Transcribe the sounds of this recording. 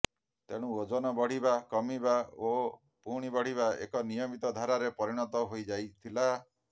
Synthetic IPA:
t̪eɽ̃ũod͡ʒɔnɔbɔɽ̤ibakɔmibao | puɽ̃ibɔɽ̤iβaḛkɔnijɔmit̪ɔd̪ʱaɾaɾepɔɾiɽ̃ɔt̪ɔɦojd͡ʒajt̪ʰila

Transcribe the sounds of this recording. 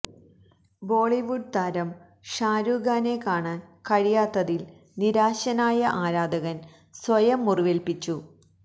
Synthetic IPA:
bo̞ːɭiʋuɖ̚t̪aɾɐm | ʂaːɾuːɡaːne̞kaːɳaːnkɐɻijaːt̪ːɐðil | niɾaːɕɐnaːjɐʔaːɾaːd̪ɐɣɐn | sʋɐjɐmːuriʋelpit͡ɕːu

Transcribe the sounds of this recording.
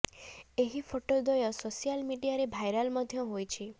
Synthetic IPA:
eɦipʰoʈod̪ɔjɔsosijalmiɖijaɾebʱajɾalmɔd̪ʱjɔɦojt͡ʃʰi

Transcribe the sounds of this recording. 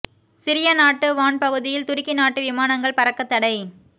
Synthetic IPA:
sɪɾɪjɐnaːʈːɯʋaːɳpɐɣɯðɪjɪlt̪ʊɾɪkːɪnaːʈːɯʋɪmaːnɐŋɡɐɭpɐɾɐkːɐt̪ːɐɽɐɪ

